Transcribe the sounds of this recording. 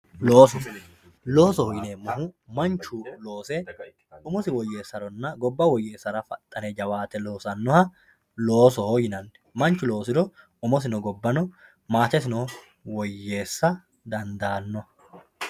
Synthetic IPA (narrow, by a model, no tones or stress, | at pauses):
loːsɔ | lo̞ːsɔhɔjɪneːmʊɦʊmɐnt͡ʃːʊlo̞ːsɛ | ʊmɔsɪwɔjːe̞ːsːɐɾɔnːɐɡɔbːɐwɔjːe̞ːsːɐɾɐfɐ̰t̪ʼːɐned͡ʒɐwaːt̪ɛlo̞ːsɐnːɔhɐ | lo̞ːsɔhɔjɪnɐnːɛ̥mɐnt͡ʃːʊlo̞ːsɪɾɔ | ʊmɔs̬ɪnɔɡɔbːɐnɔ | maːt̪ɛsɪnɔ | wɔjːe̞ːsːɐ | d̪ɐnd̪aːnːɔ